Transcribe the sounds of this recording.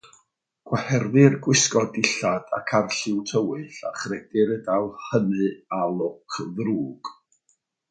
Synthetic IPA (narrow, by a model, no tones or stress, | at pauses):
ɡ̥wahɛrðɨrɡwɪskɔdɪɬad̥a̰kʰarɬɪwtʰəwɨɬa̰χrɛdɪɾədalˠhənɨalˠʊkʰðruːɡ̥